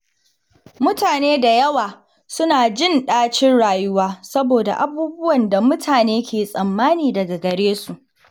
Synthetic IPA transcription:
mʊ˦taː˨neː˦da˨jɐ˦waː˨ | sʊ˦naː˨d͡ʒɪ˦˨nɗaː˦t͡ʃɪ˦nɽaː˨jʊ˦waː˦sɐ˦boː˨da̰˨ʔa˦buː˦bʊ˦wɐ˨nda˨mʊ˦tʰaː˨neː˦kʲʰeː˨sʼɐ˨mːaː˦niː˨dɐ˨ɡa˨ɡɐ˨ɽeː˦su˨ʔ

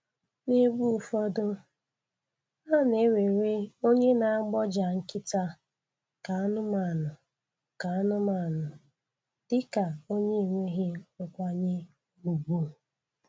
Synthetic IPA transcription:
ne˦bu˦˨fɔ˦dʊ˦ | a˦˨ne˨˦we˨ɾe˦o˦ɲe˦na˨a˦ɡ͡bɔ˦d͡ʒa˨ŋ̩˦kɪ˦ta˦ | ka˨a˦nʊ˦ma˨nʊ˨ | ka˨a˦nʊ˦ma˨nʊ˨ | d̥ɪ˦ka˨o˦ɲe˦i˨ŋʷe˦ɦɪ˦ʊ˨kʷa˦ɲɪ˦ | u˨bu˦˨

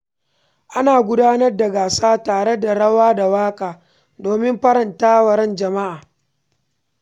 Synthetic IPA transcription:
ʔa˦naː˨ɡʷʊ˦daː˦nɐ˦rda˨ɡaː˨saː˦taː˨ɽe˦da˨ɽɐ˦waː˦da˨waː˦kʼaː˨ | doː˨mɪ˦mɸɐ˦ɾɐ˨ntaː˦wɐ˨ɾɛ˦nd͡ʒɐ˨ma˦ʔaː˨

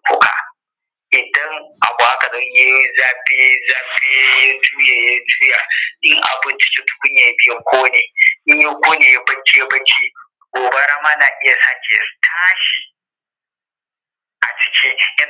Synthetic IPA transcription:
kʷʊ˦ka̰˨ | ʔɪ˨dɐ˦ŋʔa̰˨bu˨ʔa˦kɐ˨ɗɔ˦ɲje˦zaː˦be˦zaː˦be˦ja˦d͡ʒuː˦jaː˨ja˦d͡ʒuː˦jaː˨ɗɪ˦ŋʔa̰˨bɪ˦nt͡ʃi̥˦t͡ʃu˦tʊ̥˦kʊ˦ɲja˨ja˦bɪ˦jɐ˦kʷoː˦neː˨ɗɪ˦ɲja˦kʷoː˦neː˨ja˦bɐ˦nt͡ʃi˦ja˦bɐ˦nt͡ʃi˦ | ɡʷoː˨bɐ˦ɽa˦maː˦laː˨ʔɪ˦ja˨saː˦kʲḛ˨˦tʰaː˦ʃi̥˨ | ʔa̰˨t͡ʃɪ̥˨kʲʰi˦jɐ˦

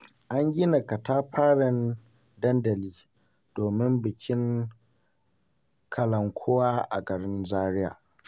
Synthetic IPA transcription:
ʔa˦ŋɡʲɪ˦na˨kɐ˨taː˦ɸʰaː˦ɽɪ˦n | dɐ˦ndɐ˨liː˦ | d̥oː˨mɪ˦mbɪ˨kʲɪ˦ŋ | kʰɐ˨lɐ˨ŋkʷʰoː˦waː˦ʔa̰˨ɡɐ˨ɽɪ˦nnzaː˦ɾɪ˦ja̰ː˨ʔ

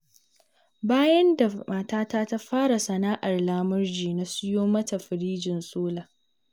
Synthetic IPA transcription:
baː˦jɐ˦nda˨maː˨taː˦taː˦ta˦ɸaː˦ɽa˨sɐ˨naː˦ʔa˨rlaː˦mʊ˦rd͡ʒiː˨na˦sʊ˦joː˦mɐ˦ta˨ɸɪ˨ɾiː˦d͡ʒɪ˨nsʼoː˦laː˨

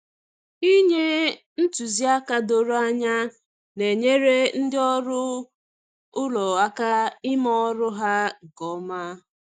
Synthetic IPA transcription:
i˦ɲe˦ | n̩˦tu˨zi˦a˦ka˦do˨ɾo˦a˦ɲa˦ | ne˨ɲe˦ɾe˦n̩˦dɪ˦ɔ˦ɾʊ˦ | ʊ˦lɔ˨a˦ka˦ɪ˦mɔ˦ɾʊ˦ɦa˦˨ɡɔ˦ma˦

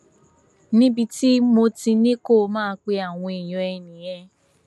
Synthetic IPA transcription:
nĩ˦bi˧ti˦mo˧tĩ˧nĩ˦ko˦˨˧mãː˦k͡pe˧a˦˨w̃ɔ̃˧i˨j̃ɔ̃˨ɛ˧nĩ˨j̃ɛ̃˧

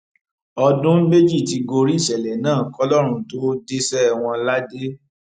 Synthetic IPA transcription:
ɔ˧dũ˦m̩˦me˦d͡ʒi˦˨ti˧ɡo˧ɾi˦˨ʃɛ˨lɛ˨nãː˦˨kɔ˦lɔ˦ɾ̃ũ˧˦to˦de˦sɛ˦˨w̃ɔ̃˧la˦de˦

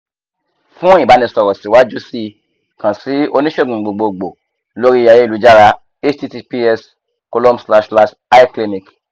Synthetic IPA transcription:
fũ˦ĩ˦˨ba˨˦nĩ˧sɔ˨ɾɔ˨si˨˦wa˦d͡ʒu˦si˧ | kã˨si˨˦o˧nĩ˦ʃe˦˨ɡ͡bũ˨ɡ͡bo˨ɡ͡bo˧ɡ͡bo˨ | lo˦ɾi˦˧ja˧je˦i˨u˨˦d͡ʒa˦ɾa˧ | e˦t͡ʃti˦ti˧pi˦ɛ˦s | ko˧lõ˦msla˧ʃla˧ʃ | a˦kle˧nĩ˨k

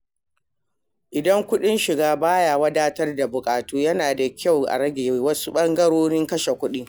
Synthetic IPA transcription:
ʔɪ˨dɐ˦ŋkʷʊ˦ɗɪ˦nʃɪ˨ɡaː˦baː˦ja˨wɐ˦daː˦tɐ˦rda˨bʊ˨kʼaː˨tuː˦jɐ˦naː˨da˨kʲa˦˨wʔa̰˨ɽɐ˦ɡʲeː˨wɐ˦su˦ɓɐ˦ŋɡɐ˦ɽoː˦ɽɪ˦ŋkɐ˦ʃe˨kʷʊ˦ɗi˦ŋ

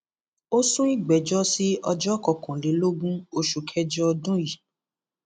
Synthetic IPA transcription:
o˦sũ˦i˦ɡ͡bɛ˨d͡ʒɔ˦si˦ɔ˧d͡ʒɔ˦kɔ˧˨kũ˨le˨˦lo˦ɡũ˦o˧ʃu˨kʰɛ˧d͡ʒɔ˦ɔ˧dũ˦ji˨

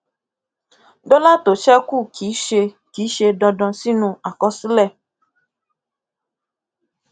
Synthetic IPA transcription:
ɖɔ˦la˦t̪o˨t͡ʃɛ˦ku˦kʰi˨˦ʃe˧ | ki˨˦ʃe˧ɖɔ̃˧ɖɔ̃˧si˦nũ˧a˨kɔ˦si˦lɛ˦˨

